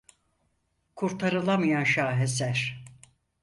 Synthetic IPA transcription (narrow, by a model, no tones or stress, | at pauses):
kʰuɾt̪ʰaɾɯlˠamɯjanʃaːɦesæɾ̥